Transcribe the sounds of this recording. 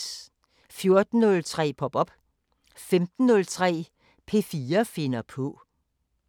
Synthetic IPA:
fjo̝ɐd̥n̩nɔ̽lt͡sʰʁɛ̰ːpʰɒ̽b̥ɒ̽b̥ | femd̥n̩ːɔ̽lt͡sʰʁɛ̰ː | pʰe̝fiːɐfe̝nɐpʰɔ̽

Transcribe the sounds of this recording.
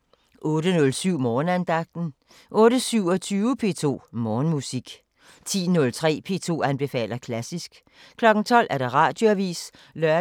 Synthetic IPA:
ʔɔ̽ːɾənɔ̽lsyʊ̰mɒːnænd̥ɑ̈ɡ̥̚d̥n̩ | ʔɔ̽ːɾəsyʊ̰ɒt͡sʰyːʊəpʰe̝̰ːt͡sʰo̝̰ːmɒːnmusiɡ̥ | t͡sʰḭːnɔ̽lt͡sʰʁɛ̰ːpʰe̝ːt͡sʰo̝̰ːænb̥e̝fɛ̰ːlɐkʰlæsisɡ̥ | kʰlɒ̽ɡ̥n̩t͡sʰɒ̽l̰ʔæɐd̥eʁɑ̰̈ːd̥jo̝æʋḭːs | lɶɐ

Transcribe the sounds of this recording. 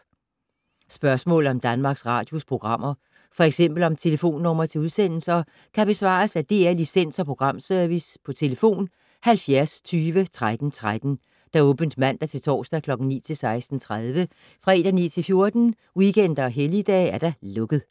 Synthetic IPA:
sb̥ɶɐsmɔ̰̽ːlð̩ˠɒ̽md̥ænmɑ̈ːɡ̥sʁɑ̈ːd̥jospʰʁo̝ɡ̥ʁɑ̈m̰ɐ | fɒ̽eɡ̥sem̰b̥l̩ɒ̽mt͡sʰe̝ləfo̝̰ːnːɔ̽m̰ɐt͡sʰe̝uð̞ˠsen̰l̩sɐ | kʰæb̥e̝sʋɑ̰̈ːsæd̥e̝ːæɐlisen̰sɒ̽pʰʁo̝ɡ̥ʁɑ̈m̰sœɐʋispʰɒ̽t͡sʰe̝ləfo̝̰ːn | hælfjæɐst͡sʰyːʋət͡sʰʁad̥n̩t͡sʰʁad̥n̩ | d̥æ̈ɔ̽ːb̥n̩d̥mæn̰d̥æt͡sʰe̝lt͡sʰɒ̰ːsd̥ækʰlɒ̽ɡ̥n̩nḭːt͡sʰe̝lsɑ̈ɪsd̥n̩t͡sʰʁað̞ˠʋə | fʁɑ̈e̝ːd̥ɐnḭːt͡sʰe̝lfjo̝ɐd̥n̩ | wiken̰d̥ɐɒ̽ɦelid̥ɛ̰ːæɐɾ̥æ̈lɔ̽ɡ̥əð̩ˠ

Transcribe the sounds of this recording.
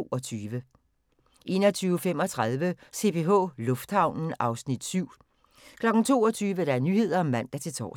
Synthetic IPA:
o̝ɒ̽t͡sʰyːʋə | ʔe̝̰ːnɒt͡sʰyːʊfem̰ɒ̽t͡sʰʁað̞ˠʋəse̝pʰe̝ɦɔ̰̽lɔ̽fd̥hɑ̈ʊ̰nn̩ɑ̈ʊsnid̥syʊ̰ | kʰlɒ̽ɡ̥n̩t͡sʰo̝̰ːɒ̽t͡sʰyːʋəɾ̥ɑ̈æɐnyːhe̝ð̞̰ˠɐɒ̽mæn̰d̥ɑ̈t͡sʰe̝lt͡sʰɒ̰ː

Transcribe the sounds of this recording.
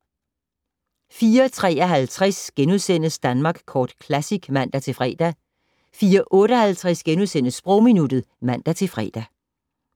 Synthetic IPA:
fiːɐt͡sʰʁɛ̰ːɒɦælt͡sʰʁasɡ̥enuðˠsen̰əsd̥ænmɑ̈ːɡ̥kʰɒːd̥kʰlæsiɡ̥mæn̰d̥æt͡sʰe̝fʁɛ̰ːd̥æ | fiːɐʔɔ̽ːɾ̥əɒhælt͡sʰʁɛsɡ̥enuðˠsen̰əsːb̥ʁɔʊ̰minud̥ð̩ˠmæn̰d̥æt͡sʰe̝fʁɛ̰ːd̥æ

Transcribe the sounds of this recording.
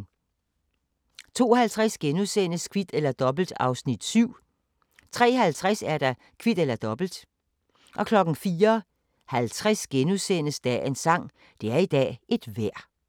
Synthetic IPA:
t͡sʰo̝̰ːhælt͡sʰʁasɡ̥enusenəskʰʋid̥elɐd̥ɒ̽b̥l̩d̥ɑ̈ʊsnid̥syʊ̰ | t͡sʰʁɛ̰ːɦælt͡sʰʁasæɐd̥ɑ̈ | kʰʋid̥elɐd̥ɒ̽b̥l̩d̥ | ʔɒ̽kʰlɒ̽ɡ̥n̩fiːɐ | hælt͡sʰʁasɡ̥enusenəsd̥ɛensɑ̈ŋ̰ | d̥e̝æɐid̥ɛ̰ːe̝d̥ʋæɐ̰

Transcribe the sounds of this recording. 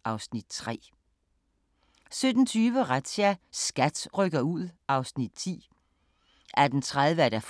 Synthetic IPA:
ʔɑ̈ʊsnid̥̚t͡sʰʁɛ̰ː | sød̥n̩t͡sʰyːʋəʁad̥ɕæsɡ̥æd̥ʁœɡ̥ɐuð̞̰ˠɑ̈ʊsnid̥t͡sʰḭː | ʔæɐd̥ent͡sʰʁaðˠʋəd̥æf

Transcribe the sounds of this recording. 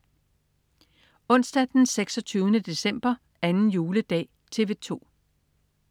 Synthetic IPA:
ɔ̽n̰sd̥æd̥enseɡ̥sɒ̽t͡sʰyːʊnəd̥e̝sem̰b̥ɐ | ænn̩juːləd̥ɛ̰ː | t͡sʰe̝ʋe̝t͡sʰo̝̰ː

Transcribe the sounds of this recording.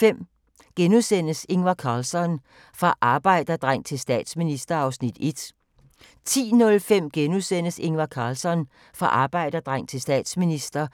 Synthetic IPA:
fem̰ | ɡ̥enusen̰əse̝ŋʋɑkʰɑ̈ːlsɒn | fʁɑ̈ʔɑ̈ːb̥ɑ̈ɪ̰d̥ɐd̥ʁaŋ̰t͡sʰe̝lsd̥ɛ̰ːd̥sminisd̥ɐɑ̈ʊsnid̥e̝d̥ | t͡sʰḭːnɔ̽lfem̰ɡ̥enusen̰əse̝ŋʋɑkʰɑ̈ːlsɒ̽n | fʁɑ̈ʔɑ̈ːb̥ɑ̈ɪ̰d̥ɐd̥ʁɑŋ̰t͡sʰe̝lsd̥ɛ̰ːd̥sminisd̥ɐ

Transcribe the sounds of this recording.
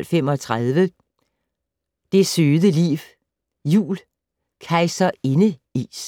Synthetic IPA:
lfem̰ɒ̽t͡sʰʁaðˠʋə | d̥e̝søːðˠəlḭːʋ | jṵːl | kʰɑ̈ɪsɐe̝nə | ḭːs

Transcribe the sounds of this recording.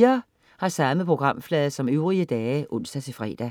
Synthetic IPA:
ɐ | hɑ̈sɑ̈məpʰʁo̝ɡ̥ʁɑ̈m̰flɛːðˠsɒ̽møʊʁiəd̥ɛːʔɔ̽n̰sd̥æt͡sʰe̝fʁɛ̰ːd̥æ

